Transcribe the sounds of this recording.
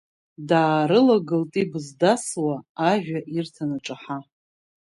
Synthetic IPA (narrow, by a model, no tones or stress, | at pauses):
daːɾɨlaɡɨltʼibzdaswaːʒᶣʷaʔirtʰanaʈ͡ʂʼaħa